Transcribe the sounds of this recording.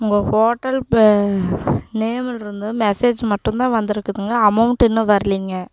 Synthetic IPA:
ʊŋɡɐhoːʈːɐl | neːmɪlɾɯnd̪ɯmɛseːd͡ʒmɐʈːɯ̃nt̪ãːʋɐnd̪ɪɾɯkːɐðɯŋɡɐɐmɐʊɳʈɛnːɯʋɐɾɯliːŋɡɐ

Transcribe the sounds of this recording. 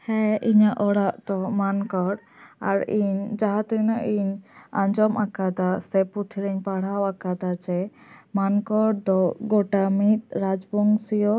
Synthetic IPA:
hɛʔiɲaʔɔɽaʔt̪ɔmankɔɽ | aɾiɲd͡ʒaɦãt̪ənaʔiɲãɲd͡ʒɔmakad̪asɛput̪ʰiɾɛɲpaɽ̤awakad̪ad͡ʒɛmankɔɽd̪ɔɡɔʈamit̪̚ɾad͡ʒbɔŋɡsijɔ

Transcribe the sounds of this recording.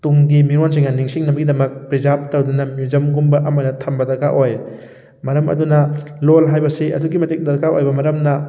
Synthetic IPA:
tuŋɡimiɾons̬iŋanːiŋsiŋnɐmbɡidɐmɐk̚pɾizap̚tɐwdunɐmjud͡ʒɐmɡumbɐʔɐmɐdɐtʰɐmbɐdɐɾkaʔoj | mɐɾɐmɐ̰dunɐlolɦajbɐsiɐ̰duɡimɐtek̚dɐɾkaʔo̰jbɐmɐɾɐmnɐ

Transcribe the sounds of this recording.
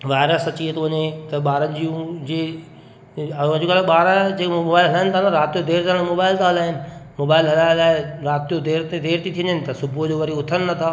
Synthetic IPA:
ʋaːɪɾəsɐt͡ɕiet̪oʋɐɲet̪ɐɓaːɾənɪ̆d͡ʑiːũd͡ʑeː | d͡ʑokaːleɓaːɾəd͡ʑeːkooːbaːɪlɦɐlaːɦɪnt̪ʰaɦlaɾaːt̪iod̪eːɾt̪aːɽ̃moːbaːɪlt̪ʰaːɦɐlaːɦɪnɪ̆moːbaːɪlɦɐlaːɪlaːɪɾaːt̪ijod̪eːɾt̪d̪eːɾt̪ʰit̪ʰiənd̪ənɪ̆t̪ɐsʊbʱud͡ʑoːʋɐɾiʊt̪ʰənɪ̆nɐt̪ʰaː

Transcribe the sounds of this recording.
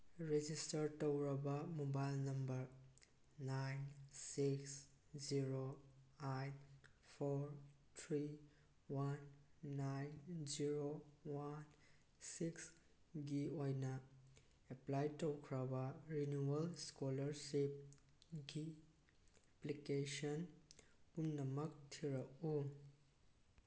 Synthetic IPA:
ɾed͡ʒistɐɾtowɾɐbɐmobajlnɐmbɐɾ | najnsiks | ziɾoajnpʰoɾ | tʰɾi | wanːajnziɾowan | siks | ɡiojnɐ | eplajtowkʰɾɐbɐɾinuɐlskolɐɾsip̚ | ɡi | eplikesɔn | unnɐmɐk̚tʰiɾɐku

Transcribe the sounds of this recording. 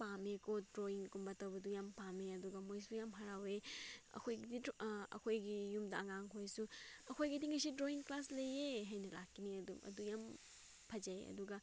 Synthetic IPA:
pamekʰodɾoiŋkumbɐtɐwbɐdujampameɐduɡɐmojsujamɦaɾaweɐ̰kʰojɡidiɐ̰kʰojɡijumdɐɐŋaŋɦojsuɐkʰojɡidiŋɐsidɾoiŋklaslɐjeɦajnɐlakːiniɐdumɐ̰dujam | pʰɐd͡ʒajɐ̰duɡɐ

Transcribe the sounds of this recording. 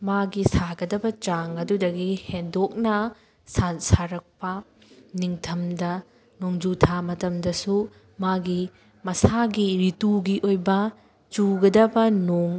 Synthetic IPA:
maɡisaɡɐdɐbɐt͡ʃaŋɐdudɐɡihendok̚nɐ | sansaɾɐk̚pɐ | niŋtʰɐmdɐ | noŋd͡ʒutʰamɐtɐmdɐsu | maɡi | mɐsaɡiɾituɡiʔojbɐ | t͡ʃuɡɐdɐbɐnoŋ

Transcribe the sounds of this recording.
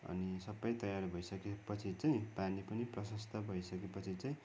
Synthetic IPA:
ʌ̰nisʌbːʌjt̪ʌjarbʱʌjsʌkepʌt͡sʰit͡saj̃panipʌniprʌsʌst̪ʰʌbʱʌjsʌkepʌt͡sʰit͡saj̃

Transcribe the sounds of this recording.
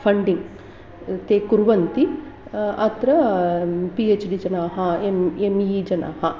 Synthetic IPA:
pʰɐɳɖiŋ | t̪eːkuɾʋɐnt̪i | ɐt̪ɾɐ | pieːt͡ʃɖid͡ʒɐnaːɦɐememiːd͡ʒɐnʔa̰ːhɐ

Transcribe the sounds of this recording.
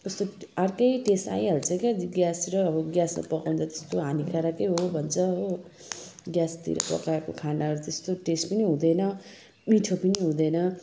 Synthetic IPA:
kʌst̪oarkʌjʈesa̰jʌɾut͡sʰʌ̃jkaɡjasiɾʌːbʌɡjasma̰pʌkaw̃nt͡sʰʌt̪est̪oɦanikʰaɾakʌjɦobʱʌnt͡sʰʌɦo | ɡjast̪ḭɾʌ̰pʌ̰kakokʰanaɾut̪est̪oʈespʌniɦũd̪ʌjnʌ | miʈʰopʌniɦũd̪ʌjnʌ

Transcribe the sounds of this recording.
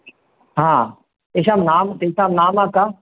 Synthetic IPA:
ɦãː | eʃaːmnaːmt̪esaːmnaːmaːka

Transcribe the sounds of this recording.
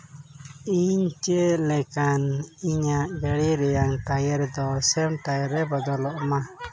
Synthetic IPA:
iɲt͡ʃelɛkaniɲaʔɡɛɽiɾɛjaŋʈajɛɾd̪ɔsɛmʈajɛɾɛbɔd̪ɔlɔʔma

